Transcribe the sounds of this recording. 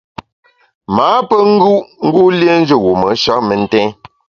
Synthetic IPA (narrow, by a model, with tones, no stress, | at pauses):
maː˨˦pə˦ŋ̩˦ɡu˦ʔŋ̩˦ɡu˦lje˦n̩˦d͡ʒə˦˨wu˨mə˨˦ʃa˦ʔmə˨n̩˦tɛ̃˦